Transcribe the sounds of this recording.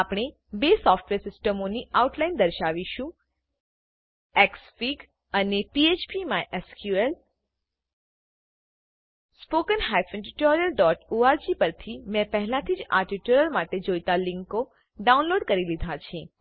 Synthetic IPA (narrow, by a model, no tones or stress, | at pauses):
apɽ̃e | besɔfʈʋeɾsɪsʈəmoniauʈlaind̪əɾʃaʋiʃũ | eksfiɡ | ənepiet͡ʃpimãʔeskjuel | spokənɦajpʰɛ̃ʈiʈoɾijəlɖɔʈuaɾd͡ʒipəɾt̪ʰimɛ̃pəɦlãt̪ʰid͡ʒa̰ʈiʈuɾəlmaʈed͡ʒojt̪alɪ̃ŋko | ɖaũnloɖkəɾilid̪ʱat͡ʃʰẽ